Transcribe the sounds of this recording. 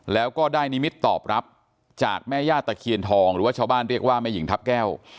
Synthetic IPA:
lɛː˦˥wkɔː˥˩daː˥˩jni˦˥mi˦˥t̪ːɔ̰ː˨˩p̚ɾa˦˥p̚ | t͡ɕaː˨˩k̚mɛː˥˩jaː˥˩t̪ːa˧˩kʰi˧ənt̪ʰɔː˧ŋɾɯː˨˩˦waː˥˩t͡ɕʰa˥˩baː˥˩nɾi˥˩ək̚waː˥˩maː˥˩ji˩˦ŋt̪ʰa˦˥p̚kɛː˥˩w

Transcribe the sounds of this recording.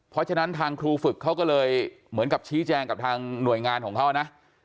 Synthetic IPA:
pʰɾɔ˦˥t͡ɕʰa˧na˦˥nt̪ʰaː˧ŋkʰɾuː˧fɯ˨˩kʰːa˦˥wkɔː˥˩lɤː˧j | mɯ˩˦ənka˨˩p̚t͡ɕʰiː˦˥t͡ɕɛː˧ŋka˨˩p̚t̪ʰaː˧ŋnu˨˩əjŋaː˧nkʰɔː˩˦ŋkʰa˦˥wna˦˥ʔ

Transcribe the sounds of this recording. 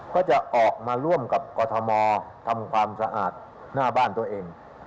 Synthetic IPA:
kɔː˥˩t͡ɕa˨˩ʔʔɔː˨˩k̚maː˧ɾu˥˩əmka˨˩p̚kɔː˧t̪ʰɔ˧mɔː˧t̪ʰa˧mkʰwaː˧msa˧ʔaː˨˩t̪̚ | naː˥˩baː˥˩nt̪u˧ɐʔeː˧ŋ

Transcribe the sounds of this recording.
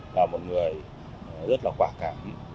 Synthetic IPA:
laː˨˩mo˨˩t̚ŋɨ˨˩əj | zə˦˥t̚laː˨˩kwaː˧˩kaː˧˦m

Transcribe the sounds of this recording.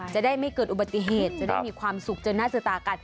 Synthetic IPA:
t͡ɕa˨˩ʔdaː˥˩jma˥˩jkɤː˨˩t̪ʔu˨˩ba˨˩t̪ːi˧˩ɦeː˨˩t̪̚t͡ɕa˨˩da˥˩jmiː˧kʰwaː˧msu˨˩k̚t͡ɕɤː˧nːaː˥˩sɯ˨˧˩t̪aː˧ka˧˩n

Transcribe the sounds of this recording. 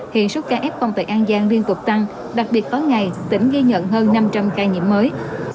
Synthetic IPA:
hḭ˧˨ənsu˦˥t̚kaː˧ʔɛ˦˥p̚kɔ˧wŋ͡mt̪ḛ˨˩ʔaː˧nzaː˧ŋli˧ənt̪ʊ˨˩k͡p̚t̪a˧ŋ | ɗa˨˩k̚ɓi˨˩ət̚kɔ˨˦jŋa˨˩jt̪ï˧˩ŋ̟ɣi˧ɲə̰˧˨nɦəː˧nːa˧mt͡ɕa˧mkaː˧jɲḭ˧˨əmːəː˨˦j

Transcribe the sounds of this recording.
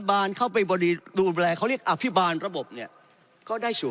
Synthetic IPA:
baː˧nkʰa˥˩wpa˧jbɔː˧diː˧duː˧lɛː˧kʰa˦˥˩wɾi˥˩ək̚ʔa˧pʰi˦˥baː˧nɾa˧bo˨˩p̚ni˥˩ɐ | kɔː˥˩daː˥˩jsʰu˨˩

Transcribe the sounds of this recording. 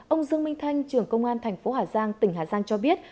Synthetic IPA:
ʔə˧wŋ͡mzɨ˧əŋmï˧ŋt̪ʰa˧jŋ̟t͡ɕɨ˨˩əŋkə˧wŋ͡mʔaː˧nt̪ʰɛ˨˩jŋ̟fo˨˦haː˧˩zaː˧ŋt̪ï˩ŋ̟ɦaː˨˩zaː˧ŋt͡ɕɔ˧ɓi˦˥ət̚

